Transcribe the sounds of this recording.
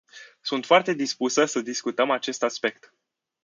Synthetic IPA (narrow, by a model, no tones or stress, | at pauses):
sunt̪foart̪e̞d̪ispusəsəd̪iskut̪əmat͡ʃe̞st̪aspe̞k̚t̪